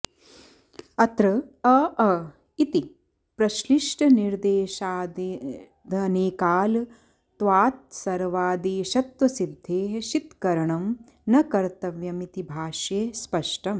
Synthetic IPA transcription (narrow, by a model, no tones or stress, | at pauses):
ɐt̪ɾɐɐɐ | it̪i | pɾɐʃliʂʈɐniɾd̪eːʃaːd̪ | d̪ʱɐneːkaːl | t̪ʋaːt̪̚sɐɾʋaːd̪eːʃɐt̪wɐsid̪ʱːeːɦɐʃit̪kɐɾɐɳɐm | nɐkɐɾt̪ɐʋjɐmit̪ibʱaːʃjeːspɐʂʈɐm